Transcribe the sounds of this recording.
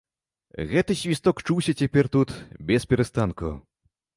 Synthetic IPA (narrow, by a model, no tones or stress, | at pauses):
ɣɛt̪ɨsʲvʲist̪ɔkt͡ʂuwsʲɐt͡sʲapʲɛrt̪ut̪bʲɛspʲɛɾɛst̪ankṵ